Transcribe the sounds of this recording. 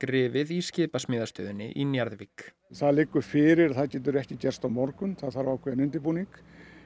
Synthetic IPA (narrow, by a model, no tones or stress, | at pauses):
kɾɪːvɪðiscɪːpasmɪːðast̪œːðʏnɪ̰ʔinjaɾðvik | θaðlɪkːʏfɪːɾɪɾaθaðcɛːt̪̬ʏɾɛhcɪcɛr̥st̪awmɔɾkʏnθaðθaɾvawkʰɛðnʏnt̪ɪpuːniŋk